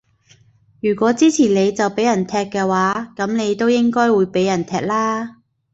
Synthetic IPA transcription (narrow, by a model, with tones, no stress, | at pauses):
jyː˨˩kʷɔː˨˥t͡siː˥t͡sʰiː˨˩nne˨˧jt͡sɐ˨wpe˨˥jɐ˨˩nt̪ʰɛː˧kːɛː˧waː˨˥kɐ˨˥mne˨˧jt̪o˥wjɪ˥ŋkɔː˥jwuː˨˧jpe˨˥jɐ˨˩nt̪ʰɛː˧k̚laː˥